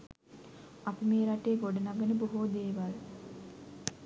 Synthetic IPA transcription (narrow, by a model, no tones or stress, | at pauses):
apimeːɾaʈeːɡoɖənaɡənəboɦoːd̪eːʋal